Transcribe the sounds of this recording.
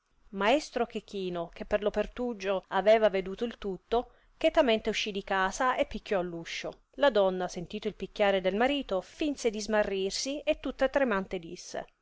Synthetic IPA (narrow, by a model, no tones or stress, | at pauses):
maest̪ɾokekiːnok̟epːerlopert̪ud͡ʒoavɛːvaved̪uːt̪oilt̪ut̪ːo | kɛt̪ament̪euʃːid̪ikaːsaepːikːɔlːuʃːo | lad̪ɔnːasent̪iːt̪oilpikʲːaːɾed̪elmaɾiːt̪ofinsed̪izmarːirsiet̪ːut̪ːat̪ɾemant̪ed̪isːḛ